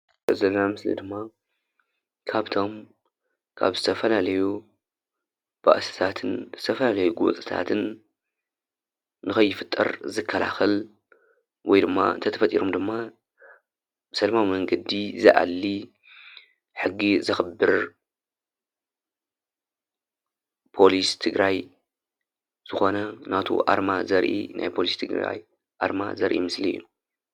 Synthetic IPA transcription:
zɐlnamɨslḭd̪ɨmːa | kʰaβt̪ʰo̞m | kʰa̰βzɨt̪ʰɐfɐlalɐju | b̥a̰ʔsɨ̥t̪ʰat̪ʰɨnzɨt̪ʰɐfɐlalɐjuɡuw̰t͡s̪ʼɨt̪ʰa̰t̪ʰɨn | ɨxɐjːɪfɨt̪ʼːɐ̰ɾzɨkʰːɐla̰xɐl | wʔɔjd̪ɨmːa̰ɨnt̪ʰɐt̪ʰɐfɐt̪ʼiɾomd̪ɨmːa | bsɐlɐmawimɐŋɡɐd̪izɨʔa̰lːi | ħɨɡːizɨxɨbːɨɾ | pʰo̞list̪ʰɨɡɾaj | z̥ɨxo̞nɐnat̪ʰo̰ʔa̰ɾmazɐɾʔḭnʔa̰jpʰo̞list̪ʰɨɡɾa̰j | ʔaɾma̰zɐɾʔḭmɨsliɨ̰jːu

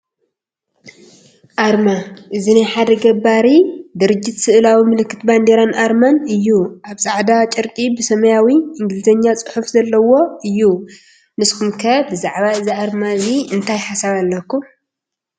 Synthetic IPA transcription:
ʔaɾmaʔɨzinajħad̪ɐɡɐbaɾid̪ɨɾɨd͡ʒːɪt̪sɨʔɨlawimɨlɨkʰːɨt̪band̪eɾanʔaɾmanɨjːuʔaβsʼaʕd̪at͡ʃʼɨɾkʼibɨsɐmɐjawiʔɨŋɡɨlɨzɐɲːat͡sʼɨħufzɐlːɐwo̞ɨjːu | nɨskʰumkʰɐbɨzaʕβaɨziaɾmaziɨnt̪ʰajħasaβalːɐkːu

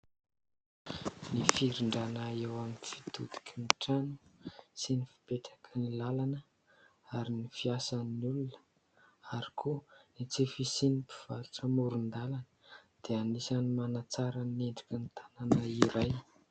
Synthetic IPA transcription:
nifiɾiɳɖ͡ʐanaewaminifi̥t̪ud̪i̥kʰʲimiʈ͡ʂanu̥sinifi̥peʈ͡ʂḁkʰənilalanə | aɾinifiasannulunə̥ | aɾi̥kʰunit͡sifisinipi̥v̥aɾuʈ͡ʂəmuɾund̪alanə̥d̪̥eanisanimanat͡saɾaneɳɖ͡ʐikʲənit̪ʰananaiɾaj

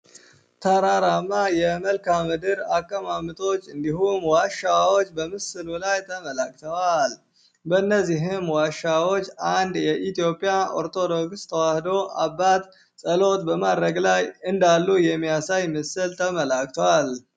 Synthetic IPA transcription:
t̪ʰaɾaɾamːajɛməlkamɨd̪ɨɾakʼːəmamɨt̪ʰʼo̞t͡ʃːɨnd̪iɦumwaʃːawot͡ʃːbəmɨsɨlulajt̪ʰəməlakʼt̪ʰəwal | bəɨnːəzːiɦɨmwaʃawo̞t͡ʃːand̪jɛʔit̪ijo̞pʼjao̰ɾt̪ʰo̞d̪o̞ɡst̪ʰəwahd̪o̞ʔa̰bːat̪ | sʼəlo̞t̪bəmad̪ɾəɡlajɨnd̪alːujɛmːijasajmɨsɨlt̪ʰəməlakʼt̪ʰowal

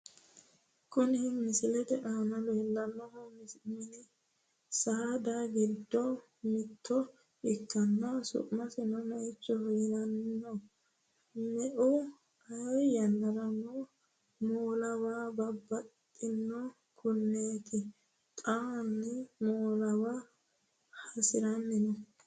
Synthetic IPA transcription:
kʊnɪmɪsɪlɛt̪ɛʔaːnɔleːlːɐnːɔhɔmmɪnɪ | sɐd̪aɡɪd̪ːɔ | mɪt̪ʰːɔ | ɪkːɐnːɐsʊ̰ʔmɐsɪnɔmɛʔɪt͡ʃːɔhɔjɪnɐnːɔ | mɛʔʊ | ɐjɐnːɐɾɐno | moːlɐwaːbɐbːɐt̪ʼːɪnːɔ | kʰʊnːeːt̪ʰɪ | t̪ʼaːnːɪmoːlɐwa | hɐsɪɾɐnːɪnɔ

